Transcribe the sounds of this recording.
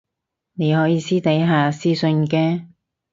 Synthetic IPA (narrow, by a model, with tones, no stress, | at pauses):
ne˨˧jɦɔː˨˥jiː˨˧siː˥t̪ɐ˨˥jɦaː˨˩siː˥sɵ˧nkɛː˧